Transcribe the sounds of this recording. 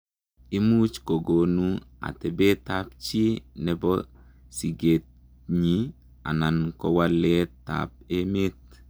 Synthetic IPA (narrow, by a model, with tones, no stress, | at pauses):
i˦mu˦t͡ʃko˨ɡo˨nua̰˨tɛ˨be˦tap̚t͡ʃi˦nɛ˨bɔ˦ | si˨ɡe˨t̚ | ɲi | a̰˨na˨nkɔ˦wa˦le˦ta̰p̚e˦me˦t̪̚